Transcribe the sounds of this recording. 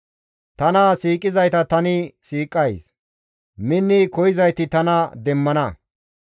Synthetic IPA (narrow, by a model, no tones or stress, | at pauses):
t̪ɐnɐsiːkʼːɪzɐjt̪ɐt̪ɐnɪsiːkʼːɐjs | mɪnːɪkɔjɪzɐjt̪ɪt̪ɐnɐd̪ɛmːɐnɐ